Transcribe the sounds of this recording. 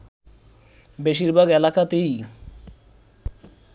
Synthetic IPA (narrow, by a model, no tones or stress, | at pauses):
beʃiɾbʱaɡɛlakat̪ej